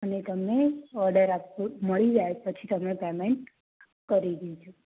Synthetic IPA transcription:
ənet̪əmeɔɾɖəɾapuməɭid͡ʒaepət͡ʃʰit̪əmepɛmeɳʈ | kəɾid̪id͡ʒʰo

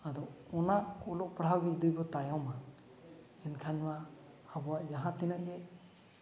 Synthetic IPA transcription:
ad̪ɔɔnaʔɔlɔʔ̚pəɽ̤awɡɛd̪ujbɔt̪ajawma | ɛnkʰaɲmaː | bɔwaʔd͡ʒaɦãt̪inaʔ̚ɡɛ

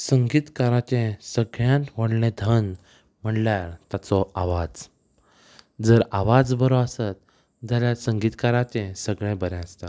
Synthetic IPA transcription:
səŋɡiːt̪kaɾãt͡ɕẽsəɡɭjãnt̪ʋəɽlẽd̪ʱən | m̤əɳljaɾt̪at͡sɔaʋad͡z | d͡zəɾaʋad͡zbəɾɔasət̪̚ | d͡zaljasəŋɡiːt̪kaɾãt͡ɕɛ̃səɡɭẽbəɾɛ̃əst̪a

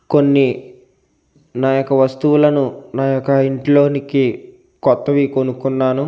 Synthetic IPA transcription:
konːi | naːjɔkːɐʋɐst̪uʋulɐnunaːjɔkːɐiɳʈlo̞ːniki | kɔt̪ːɐʋikonukunːaːnu

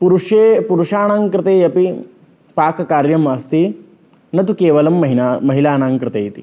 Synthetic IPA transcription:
puɾuʂeːpuɾuʂaːɳaːŋkɾɪt̪eːjɐpi | paːkɐkaːɾjɐmɐst̪i | nɐt̪ukeːʋɐlɐmːɦamɐɦilaːnaːŋkɾɪt̪eːjit̪i̥

